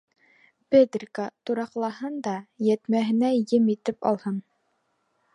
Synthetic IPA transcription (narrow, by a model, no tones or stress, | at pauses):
ped̪rʲkat̪uɾɑqlˠɑɦɤnd̪ɑjæt̪mæɦɘ̆næjɘmit̪ɘpɑ̰lˠhɤn